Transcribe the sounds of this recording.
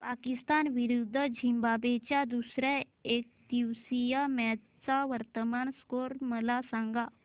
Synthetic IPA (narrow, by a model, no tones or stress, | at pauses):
paːkɪst̪aːnʋɪɾud̪ʱːəd͡ʒʱĩmbaːbeːt͡ʃad̪usɾɛ | eːk̚t̪isijamɛː | saʋəɾt̪əmaːnskoːɾməlasãŋɡaː